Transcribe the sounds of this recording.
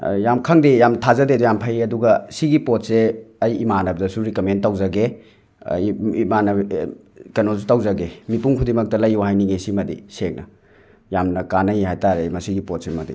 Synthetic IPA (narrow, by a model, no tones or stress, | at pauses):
jamkʰɐŋdejamtʰazɐdedujampʰajɐduɡɐsiɡipot̚seɐjimanɐb̚dɐsuɾikɐmentːawzɐɡḛ | imanɐ | kɐnozutawzɐɡemipuŋkʰudimɐk̚tɐlɐjuwɦajniɡesimɐdḭsek̚nɐ̰ | jamnɐkanɐjiɦajtaɾemɐsiɡipot̚semɐdḭ